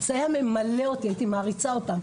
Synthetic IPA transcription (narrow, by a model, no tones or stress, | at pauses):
sajame̞maleo̞tiajit̪imaːʁit͡sao̞tam